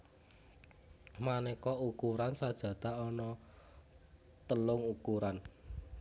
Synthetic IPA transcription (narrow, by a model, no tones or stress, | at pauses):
manɛkɔukuɾansad̥ʒ̥ä̤t̪a̤ɔnɔ | t̪əlʊŋukuɾan